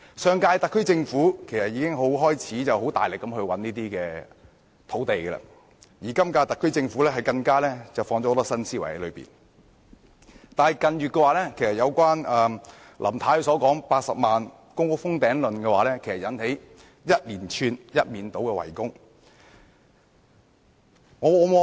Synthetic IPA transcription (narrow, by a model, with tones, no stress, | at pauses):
sœː˨ŋkaː˧jt̪ɐ˨kʰːɵ˥ɥt͡sɪ˧ŋfuː˨˥kʰe˨˩jsɐ˨t̚jiː˨˧kɪ˥ŋɦo˨˥wɦɔː˥jt͡sʰiː˨˥t͡sɐ˨˩wɦo˨˥wt̪a̰ː˨jlɪ˨kːɐ˨˥mhɵ˧ɥwɐ˨˥nniː˥t̪iː˥kɛː˧ | t̪ʰo˨˥wt̪e˨jɡɛ˧lɐ̰ː˧ | jiː˨˩kɐ˥mkaː˧t̪ɐ˨kʰːɵ˥ɥt͡sɪ˧ŋfuː˨˥lɛː˥ɦɐ˨jkɐ˧ŋkaː˥lɛː˥t͡sɐ˨wfɔː˧ŋt͡ɕɔ˨˥˨t̪ɔ˥sɐ˥nsiː˥wɐ˨˩jhɐ˨˥lɵ˨˧pḭː˨˩n | t̪aː˨˩nɐ˨jkɐ˨njyː˨t̚kːɛː˧waː˨˧lɛː˥kʰe˨˩jsɐ˨t̚jɐ˨˧wkʷaː˥nɛ˨ | lʔɐ̰˨˩mt̪ʰaː˨˥jsɔː˨˥kɔː˨˥ŋpaː˧t̚sɐ˨p̚maː˨n | kʊ˥ŋkʊ˥k̚fʊ˥ŋt̪ɛː˨˥ŋlɵ˨nkɛ˧waː˨˧lɛː˥kʰe˨˩jsɐ˨˩jɐ˨˧nhe˨˥j | jɐ˥t̚liː˨˩nt͡ʃʰyː˧njɐ˥t̚miː˨nt̪o˨˥wkɛː˧wɐ̰˨˩jkʊ˥ŋ | ŋɔː˨˧ɔː˨˧˥m˨